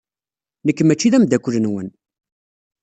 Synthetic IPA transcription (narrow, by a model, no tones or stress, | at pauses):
nəkːmæt͡ʃːiðæmd̪ækʷːələnwən